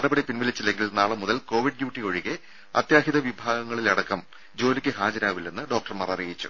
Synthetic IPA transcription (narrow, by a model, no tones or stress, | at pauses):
ɐɽɐbɐɽipinʋɐlit͡ɕːilːe̞ŋɡilnaːɭɐmuðɐlko̞ːʋiɖ̚ɖjuːʈːiko̞ɻiɣe | ɐt̪jaːɦiðɐʋibʱaːɡɐŋːɐɭilɐɽɐkːɐm | d͡ʑo̞ːlikʲːɨhaːd͡ʑɐɾaːʋilːenːɨɖo̞ːk̚ʈɐrmɐrɐrijit͡ɕːu̥̰